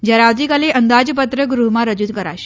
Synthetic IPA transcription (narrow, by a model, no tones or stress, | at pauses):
d͡ʑjaɾaʋd̪ikaleʔənd̪ad͡zp̬ət̪ɾəɡɾuɦmaɾəd͡ʑud̪kəɾa̰ɕi̥